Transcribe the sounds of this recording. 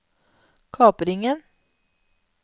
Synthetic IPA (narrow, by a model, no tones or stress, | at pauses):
kʰɑːpəɾɪŋən